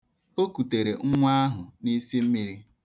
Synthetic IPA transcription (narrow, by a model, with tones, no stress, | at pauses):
o˦ku˨te˨ɾe˨ŋ̩˦ŋʷa˦a˦ɦʊ˨ni˦si˦m̩˦mi˦ɾi˦